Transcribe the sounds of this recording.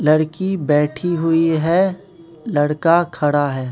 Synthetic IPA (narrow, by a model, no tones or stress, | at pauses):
lɐɽkibɛːʈʰiɦʊiɦɛː | lɐɽkakʰɐɽaɦɛː